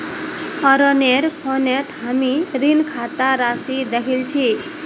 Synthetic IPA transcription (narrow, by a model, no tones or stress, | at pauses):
ɔɾɔneɾkʰɔnet̪ʰɦamiɾinkʰat̪aɾasid̪ekʰilt͡ʃʰi